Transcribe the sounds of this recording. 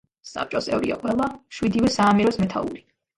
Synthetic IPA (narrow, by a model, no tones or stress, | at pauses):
sa̰p̚t͡ʃʼɔsɛ̰vɾḭa̰qʼwɛlˠaʃwid̪ivɛsaːmiɾɔsmɛt̪ʰa̰lˠṵɾi